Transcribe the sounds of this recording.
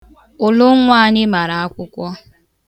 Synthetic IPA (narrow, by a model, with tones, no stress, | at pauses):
ʊ˨lʊ˦ŋʷa˦˨ɲɪ˦ma˨ɾa˨a˦kʷʊ˦kʷɔ˦